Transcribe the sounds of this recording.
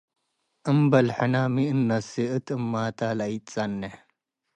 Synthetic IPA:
əmbɐlħɐnaːmiənːɐsiət̪ɨmːaːt̪aːlɐitt͡sɐnːe

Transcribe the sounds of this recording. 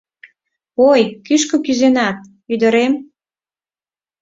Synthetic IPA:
ojkyʃkŏkyzenɑt̪̚ | yd̪ə̆ɾem

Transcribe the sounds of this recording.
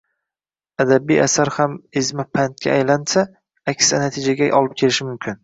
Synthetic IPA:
ad̪abijasaɾhamɪzmɪpʰant̪̚kʲa̰ajlansa | akʲsanat̪ʰɪd͡ʒaɡʲaʔɒlˠɪp̚kʲʰe̞lɪʃɪmʊmkʲʰɪn

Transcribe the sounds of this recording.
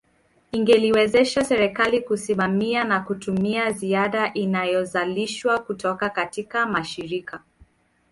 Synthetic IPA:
iŋɡɛliwɛzɛʃasɛɾɛkalikusimamianakutumiaziaɗaʔinajɔzaliʃwakutɔkakatikamaʃiɾika

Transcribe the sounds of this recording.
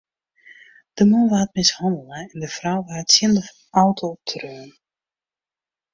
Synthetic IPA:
d̥əmunʋaːtmɪshɔndəlˠəɛndəfrawʋaːətsindəf | ʔawtʰotʰrøːn

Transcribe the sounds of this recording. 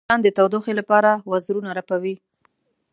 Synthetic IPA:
ɑnd̪ət̪awd̪oxelapɑɾawazɾunaɾapawi

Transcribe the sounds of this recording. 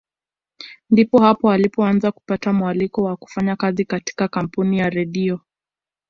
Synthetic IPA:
ndipɔhapɔalipɔanzaku̥patamwalikɔwaku̥faɲakazikati̥kakam̩punijaɾɛɗiɔ

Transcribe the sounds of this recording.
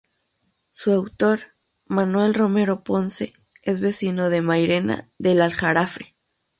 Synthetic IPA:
suawt̪o̞ɾ | manwe̞lro̞me̞ɾo̞po̞nse̞ | ezβe̞sino̞ðe̞majɾe̞na̰ðe̞lalxaɾafe̥

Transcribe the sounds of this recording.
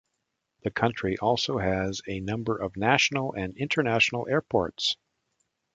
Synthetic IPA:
ðɨkʰʌ̃nt͡ʃɹ̥iʔɔlˠsoʊɨzɨnʌ̃mbə˞ʔʌvnæʃn̩l̩ˠɨ̃nɪ̃ntʰə˞næʃn̩l̩ˠɛɹpʰɔ̰ɹts

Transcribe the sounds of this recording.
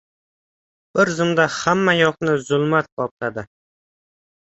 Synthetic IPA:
b̥ɪɾzɨmd̪ahamːajɒqnɪzʊlˠmat̪̚qʰɒp̚t̪ʰad̪ɪ

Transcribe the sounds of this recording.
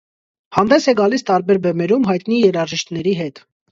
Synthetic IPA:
hɑnd̪ɛsɛɡɑlist̪ɑɾbɛɾbɛmɛɾumɦɑjt̪nijɛɾɑʒiʃt̪nɛɾiɦɛt̪

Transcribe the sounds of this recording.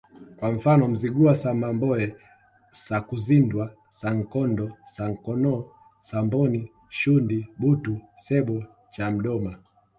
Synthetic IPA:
kwaɱ̩fanɔm̩ziɡuasamambɔɛ | sakuzindwa | saŋ̩kɔndɔsaŋ̩kɔnɔː | sambɔni | ʃundiɓutusɛɓɔ | t͡ʃam̩ɗɔma

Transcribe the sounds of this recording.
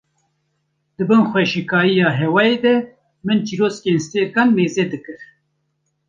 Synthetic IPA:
d̪ɨbɨnxwɛʃikɑːijɑːɦɛwɑːjed̪ɛ | mɨnt͡ʃiɾoːskenst̪ekɑnmeːzɛd̪ɨkɨɾ

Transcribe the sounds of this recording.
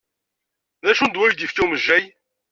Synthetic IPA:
ðæʃund̪wæʒd̪ifkiwməʒːæj

